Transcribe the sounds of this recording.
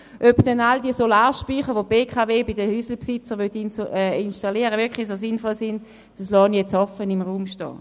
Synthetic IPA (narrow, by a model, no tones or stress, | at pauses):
ʔøpd̥ɛnaldiəsolaːʃpyːχəʋopeːkʰaveːbidəhysl̩psɪt͡səʁʋøt̪ːinʃtaliəʁəʋɪɐkχlis̬osɪnfɔlsɪnd | d̥aslɔːnjɛt͡shɔfənɪmʁuːmʃtɔ̰ː